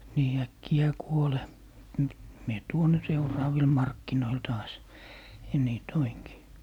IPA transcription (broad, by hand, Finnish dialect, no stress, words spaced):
niː ækːijæː kuole m mie tuon ne seurɑːʋil mɑrkːinoil tɑːs jɑ niː toiŋki